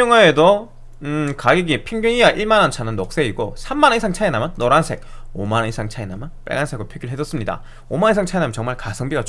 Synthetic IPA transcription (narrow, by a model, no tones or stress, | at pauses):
oŋaedo | ɯkaɡiɡiepʰiŋɡuŋiwaʔiɭmanʌnt͡ɕʰanɯnːok̚s͈e̞iɡosʰamːanisʰaŋt͡ɕʰaenamjʌnːoɾansʰe̞k̚omanʌnisʰaŋt͡ɕʰaenamjʌnp͈ḛɡansʰe̞ɡɯpʰjeɡiɭɦe̞d͡ʑʌs͈ɯmɲida̰ | omannisʰaŋt͡ɕʰaenamjʌnt͡ɕʌŋmaɭkasʰʌŋbiɡat͡ɕ